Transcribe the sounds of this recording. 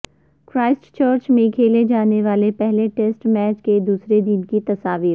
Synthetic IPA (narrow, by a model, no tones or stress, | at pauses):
kɾaːɪsʈt͡ʃəːɾt͡ʃmẽkʰeːled͡ʒaːneʋaːlepɛɦleʈesʈmɛːt͡ʃked̪uːsɾed̪ɪnkit̪ɐsaːʋiːɾ